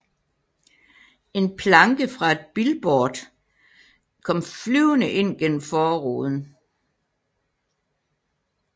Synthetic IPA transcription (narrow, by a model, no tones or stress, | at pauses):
e̝npʰlɑ̈ŋɡ̥əfʁɑ̈e̝d̥̚b̥ilb̥ɒːd̥ | kʰɒ̽m̰flyʊnəʔe̝n̰ɡ̥en̰m̩fɒːʁo̰ːðˠn̩